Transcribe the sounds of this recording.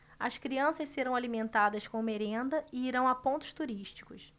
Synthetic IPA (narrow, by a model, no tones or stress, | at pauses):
ɐ̰skɾiɐ̃sɐʃseɾɐ̃w̃alimẽnt̪ad̪ɐskõmeɾẽnd̪ɐɪiɾɐ̃w̃apõnt̪ʊ̥ʃt̪uɾiʃt͡ʃi̥kʊs